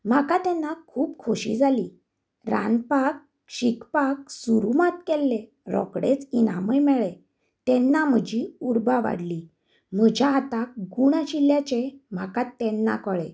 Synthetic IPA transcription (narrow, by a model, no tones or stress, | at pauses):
m̤akat̪ɛnːakʰuːpkʰoɕḭd͡zʱali | ɾa̰npak̚ | ɕikpak̚suɾumat̪kɛlːe | ɾɔ̰kɽet͡sinaməjmɛɭe | t̪ɛ̃nːam̤əd͡ʑiuɾbaʋa̰ɽli | m̤əd͡ʑʱjaːt̪akɡuɽaɕiljat͡ɕem̤akat̪ːɛnːa̰kəɭḛ̃